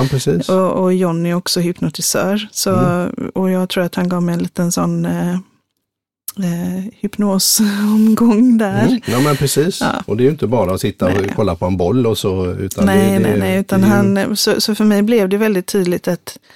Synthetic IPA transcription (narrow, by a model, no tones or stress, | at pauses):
pʰɾɛsiːsɔɔjɔnːɪɔksɔɦʏpnʊt̪ɪsœːɾsɔɔjɑːɡt̪ʰɾuːɾat̪hanɡɑːvmɛjɛnliːt̪ənsɔnː | hʏpnoːsɔmɡɔŋd̪æɾjɑːmɛnpʰɾɛsiːssɑ̰ːʔɔd̪ɛɾjʏɪnt̪əbɑːɾaɔsɪt̪ːaɔkʰɔlːapʰɔɛnbɔlːɔsɔʉ̰ːt̪ʰanɛnɛnɛʉ̟ːt̪anɦansɔsɔfœɾmɛjblɛvd̪ɛvɛld̪ɪt̪ʰːyːd̪lɪt̪at̪